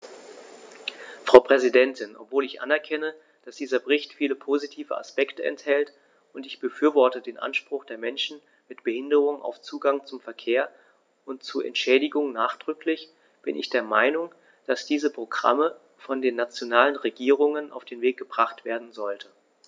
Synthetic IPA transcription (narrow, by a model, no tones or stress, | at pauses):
fʁ̥aʊpʁ̥ɛzidɛntɪnʔɔ̰pv̥oːlɪçʔa̰nɛɐkʰɛnə | d̥asd̥iːzɐbəʁɪçtfiːləpʰozitʰiːvəa̰spɛktəɛ̰nthɛlt | ʔʊntɪçb̥əfyːɐvɔɐtədeːnʔa̰nʃpʁ̥ʊχd̥eːɐmɛnʃn̩ | mɪtb̥əhɪndəʁ̞ʊŋʔa̰ʊft͡suːɡaŋt͡sʊmfɛɐkʰeːɐ | ʔʊntt͡suːɐʔɛ̰ntʃɛːdɪɡʊŋnaːχd̥ʁʏklɪç | b̥ɪnʔɪ̰çd̥eːɐmaɪnʊŋ | d̥asd̥iːzəpʁ̥oɡʁa̰mə | fɔndeːnat͡sjonaːlənʁeɡiːʁ̞ʊŋənʔa̰ʊfd̥eːnveːk̚ɡ̥əbʁaχtv̥eːɐdn̩zɔltə